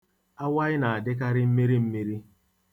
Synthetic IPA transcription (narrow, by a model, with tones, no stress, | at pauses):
a˦wa˦ɪ˦na˨a˨dɪ˦k̬a˦ɾɪ˦m̩˦mi˦ɾi˦m̩˦mi˦ɾi˦